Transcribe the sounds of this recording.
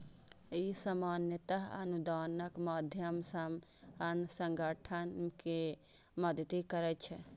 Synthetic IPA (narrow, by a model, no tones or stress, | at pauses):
isəmanjət̪əɦə̰nud̪anəkməd̪ʱjəmsəmənsəŋɡəʈʰənke | məd̪t̪ikəɾɛt͡ʃʰɛ